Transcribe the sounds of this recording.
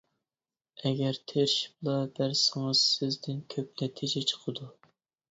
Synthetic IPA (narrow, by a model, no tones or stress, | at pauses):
ɛɡʲæɾt̪ʰeɾʃblˠɑb̥æɾsɪŋɨz̥sɪzd̪ɪnkʲʰøp̚nɛt̪ʰid͡ʒɛt͡ʃʰə̥qʰəd̪u